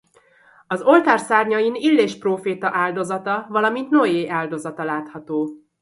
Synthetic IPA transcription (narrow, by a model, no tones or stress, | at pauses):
ɒzo̞lt̪aːrsaːrɲɒinilːeːʃproːfeːt̪ɒʔaːld̪o̞zɒt̪ɒvɒlɒmint̪nojeːʔaːld̪o̞zɒt̪ɒlaːt̪hɒt̪oː